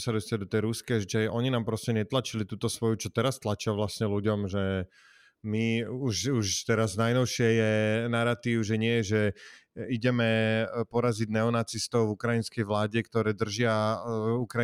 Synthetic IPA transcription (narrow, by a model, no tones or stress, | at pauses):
sad̪ɔst̪ad̪ɔt̪ɛjɾuskɛʒit͡ʃaɛʔɔɲinaːmpɾɔscɛɲɛt̪lat͡ʃilit̪uːt̪ɔsʋɔjut͡ʃɔt̪ɛɾast̪lat͡ʃɪaʋlasɲɛluɟɔmʒɛ | miuʃuʃt̪ɛɾaznajnɔʊʃɪɛjɛnaɾat̪iːʊʒɛɲɪɛjɛʒɛ | iɟɛmɛpɔɾaziɟnɛɔnat͡sist̪ɔʊvukɾainskɛjʋlaːɟɛkt̪ɔɾɛːd̪r̩ʒɪaukɾa